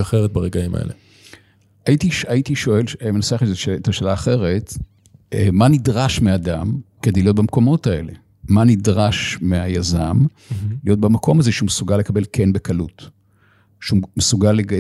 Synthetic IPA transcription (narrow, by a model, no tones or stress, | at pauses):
aχeʁet̚baʁeɡaima̰ʔḛlḛ | aitiʃaitiʃo̞elemenaseaχezeʃeetaʃeːlaːχe̞ʁe̞t | emanidʁaʃmeadamked̪ejlijo̞t̚bamko̞mo̞tae̞̰le | manidʁaʃmeajazam | lijo̞t̚bamakʰo̞mazeʃeumesuɡalekabe̞lkʰenbekalut | ʃeumesuɡaleɡ